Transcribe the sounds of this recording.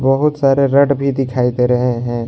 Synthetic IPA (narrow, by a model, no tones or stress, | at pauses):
bəɦʊt̪saːɾeɾəʈbʱid̪ɪkʰaːit̪eɾəɦeɦɛ̃ː